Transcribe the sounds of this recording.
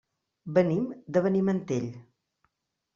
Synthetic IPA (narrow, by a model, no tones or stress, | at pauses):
bənimd̪əβənimənt̪eʎ